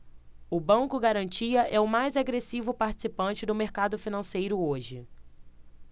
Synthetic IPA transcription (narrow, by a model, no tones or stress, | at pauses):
ʊbɐ̃ŋkʊɡaɾɐ̃nt͡ʃiɐʔɛʊmajzaɡɾesivʊpaɾt͡ʃi̥sipɐ̃nt͡ʃɪd̪ʊmeɾkad̪ʊfinɐ̃sejɾʊoʒɪ̰